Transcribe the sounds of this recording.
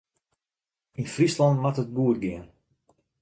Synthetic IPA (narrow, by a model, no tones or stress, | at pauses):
infrislɑntmatət̚buətɡɪən